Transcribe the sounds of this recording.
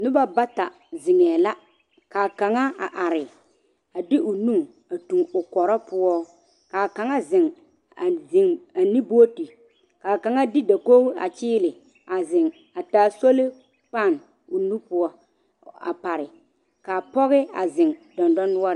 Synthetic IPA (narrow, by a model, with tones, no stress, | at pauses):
nʊ˦ba˦ba˦ta˨ | zɪ˨ŋɛː˨la˦ | kaː˨ka˨ŋa˦a˨ʔa˨ɾɪ˨ | a˨dɪ˦ʔʊ˨nu˦ŋ | a˨tu˨ŋʊ˨kɔ˨ɾɔ˦pʊ˦ɔ˦ | kaː˨ka˨ŋa˦zɪ˨ŋ | a˨ɪ˨ŋa˨ni˦bu˦o˦ti˨ | ka˨ka˨ŋa˦dɪ˦da˨ko˦a̰˨t͡ʃɪː˦lɪ˨ | a˨zɪ˨ŋ | a˨taː˨˦˨so˦lɪ˦ | k͡pa˦˨n | ʊ˨nũ˦pʊ˦ɔ˦ | a̰˨pa˨ɾɪ˨ | ka˨pɔ˦ɣɪ˦a̰˨zɪ˨ŋd̥ɔ˨ndɔ˦nʊ˦ɔ˦ɾɪ˨